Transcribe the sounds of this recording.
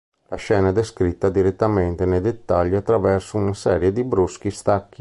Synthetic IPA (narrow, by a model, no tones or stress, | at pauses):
laʃɛːnad̪ɛskɾit̪ːad̪iɾet̪ːamɛnt̪enɛd̪et̪ːaʎːiat̪ːɾavɛɾsuunasɛːɾjed̪ibɾusk̟ist̪akːi